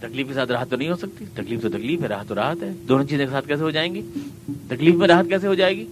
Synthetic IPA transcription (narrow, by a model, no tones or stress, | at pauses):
t̪ɐkliːfkesaːt̪ɾaːɦət̪ːonɐɦĩɦosɐk̚t̪it̪ɐkliːft̪ot̪ɐkliːfɦɛɾaːɦət̪ːoɾa̰ːɦət̪ɦɛːd̪oːnõt͡ʃiːzõkesaːt̪̚kɛːs̬eɦod͡ʒaːẽːŋɡiː | t̪ɐkliːfmẽɾaːɦət̪̚kɛːs̬eɦod͡ʒaːeːɡiː